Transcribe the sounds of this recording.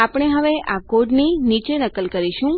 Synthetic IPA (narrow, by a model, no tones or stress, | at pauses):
apəɽ̃eɦəʋeʔakoɖninit͡ʃenəkəlkəɾiʃũ